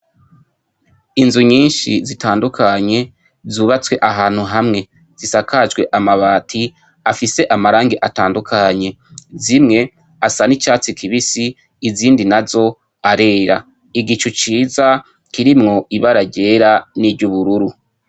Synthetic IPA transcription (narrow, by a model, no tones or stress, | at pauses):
inzuɲiːnʃizitaːndukʰaɲe̞ | zuːβat͡swe̞ʔaɦaːn̥huɦamŋe̞ | z̥isakad͡ʒɡwe̞ʔamaβaːtʰi | afise̞ʔamaɾaːŋɡeʔataːndukʰaɲe̞ | zimŋe̞ | asanit͡ʃaːt͡sikʰiβisiː | ziːndinazo̞ | aɾe̞ːɾa̰ | iɡit͡ʃut͡ʃiːza | kiɾimŋo̞iβaɾaɟe̞ːɾaniɟuβuɾuɾu